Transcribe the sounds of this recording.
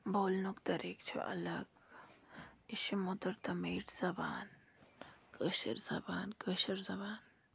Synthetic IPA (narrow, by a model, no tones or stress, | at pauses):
boːlnukt̪ɐɾikt͡ʃʰṵʔɐ̰lɐɡ | iʃimod̪ɐɾt̪ɐmeːʈz̥ɐba̰ːn | kəʃə̰ɾz̥ɐ̰baːnkəʃəɾzɐbaːn